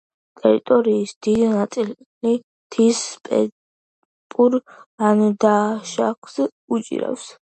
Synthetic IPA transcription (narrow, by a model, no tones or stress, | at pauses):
t̪ʼɛɾḭt̪ʼɔɾiːsd̪̥id̪nat̪sʼil | li | t̪ʰispʼɛ̰ | pʼuɾand̪aʃaks | ut͡ʃʼḭɾa̰fs